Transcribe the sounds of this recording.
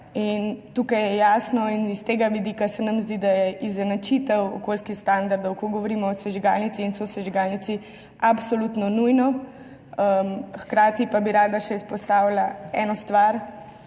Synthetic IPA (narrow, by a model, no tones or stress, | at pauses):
int̪uːkajɛjaːsnɔinist̪eːɡaʋid̪iːkasɛnamzd̪id̪ajɛʔizɛnat͡ʃit̪ɛwɔ̰kolskixst̪and̪aɾd̪ɔwkɔɡɔʋoɾiːmɔːsɛʒiɡa̰lnit̪siːnsɔsɛʒiɡalnit̪si | apsolut̪nɔnujnɔ | əmxkɾaːt̪ipabiɾaːd̪aʃɛispɔst̪awlaɛːnɔst̪ʋaɾ